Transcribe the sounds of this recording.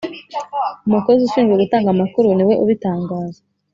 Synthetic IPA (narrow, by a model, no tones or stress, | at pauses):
umuko̞zuʃiːnzɡwe̞ɡutaːŋɡamakuɾuniwe̞ʔuβitaːŋɡaːza